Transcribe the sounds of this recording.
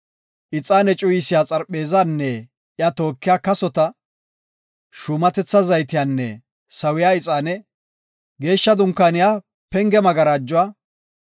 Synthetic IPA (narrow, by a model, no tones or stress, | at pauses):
ʔɪt͡sʼːaːnɛt͡ʃʼʊjɪsɪjaːt͡sʼɐɾpʼːe̞ːzanːɛ | jɐt̪o̞ːkːɪjaːkɐsɔt̪ɐ | ʃʊmɐt̪ɛt͡sːɐzɐjt̪ɪjaːnːɛ | sɐwɪjaːɪt͡sʼːaːnɛ | ɡe̞ːʃːɐd̪ʊŋkːaːnɪjaː | pɛŋɡɛmɐɡɐɾaːd͡ʒːʊwaː